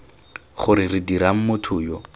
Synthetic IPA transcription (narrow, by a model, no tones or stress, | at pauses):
χʊɾɪrɪdiɾaŋ̩mʊtʰʊːjɔ